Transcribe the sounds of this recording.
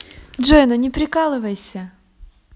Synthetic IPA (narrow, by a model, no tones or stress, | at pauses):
dʐojnʊnʲɪpɾʲɪkalˠɨvɐjsʲə